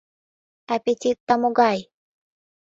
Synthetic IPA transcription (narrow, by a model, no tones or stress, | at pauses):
apit͡ʃit̪ːamuɡaj